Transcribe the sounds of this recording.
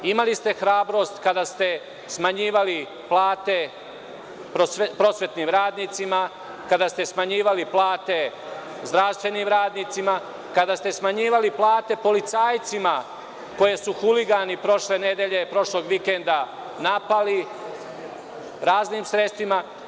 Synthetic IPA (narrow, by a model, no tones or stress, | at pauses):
imalist̪e̞xɾaːbɾo̞st̪kad̪ast̪e̞ | smaɲiːʋali | plaːt̪e̞ | pɾosepɾo̞sʋe̞t̪niːmɾaːd̪niːt̪sima | kad̪ast̪e̞smaɲiːʋaliplˠaːt̪e̞ | zd̪ɾaʋst̪ʋe̞niːmɾaːd̪niːt̪sima | kad̪ast̪e̞smaɲiːʋaliplˠaːt̪e̞po̞lit̪saːjt̪sima | ko̞je̞suxuliɡanipɾo̞ʃle̞ne̞d̪eʎe̞pɾo̞ʃlo̞ːɡʋikend̪a | napali | ɾaːzniːmsɾet̪st̪ʋima